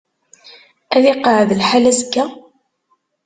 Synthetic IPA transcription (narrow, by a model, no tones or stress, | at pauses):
æðiqəʕðlħalæzəɡːæ